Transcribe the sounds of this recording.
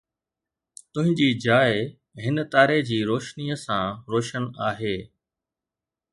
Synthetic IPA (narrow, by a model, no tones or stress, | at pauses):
t̪ʊ̃ɦɪ̃ɲd͡ʑiːd͡ʑaːɪ | ɦɪnət̪aːɾed͡ʑiːɾoːʃniːəsãːɾoːʃənaːɦeː